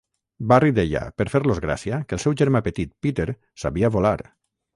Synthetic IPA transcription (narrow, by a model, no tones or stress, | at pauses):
barid̪eʎa̰pəɾfeɾlozɣɾa̰siakəlˠsɛwʒeɾmapət̪it̪̚pit̪eɾ | sa̰βiaβolaɾ